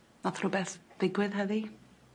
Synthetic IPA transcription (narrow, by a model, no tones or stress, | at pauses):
nɔθrʊbɛθðɪɡwɪðɦəði